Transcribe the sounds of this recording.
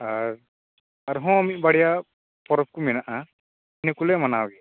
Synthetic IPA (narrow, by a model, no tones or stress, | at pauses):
aɾ | aɾuɦɔ̃amiʔbaɽija | pɔɾɔp̚kuminaʔa | inɛkulɛmanawɡɛ